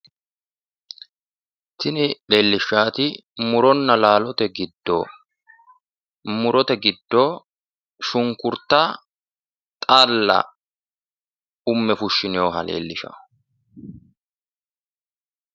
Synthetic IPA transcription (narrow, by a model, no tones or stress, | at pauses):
t̪ɪnɪle̞ːlːɪʃːaːt̪ɪmʊɾɔnːɐlaːlɔt̪ɛɡɪd̪ːo̰ | mʊɾɔt̪ɛɡɪd̪ːoː | ʃʊŋkʊɾt̪ɐ | t̪ʼalːɐ̰ | ʊmːɛfʊʃːɪnɪjoɦɐlḛːlːɪʃɐ̰